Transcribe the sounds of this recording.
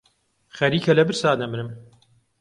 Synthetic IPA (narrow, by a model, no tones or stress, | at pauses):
xɐɾiːkʰɐlɐbɨɾsaːnɐmɨnɨm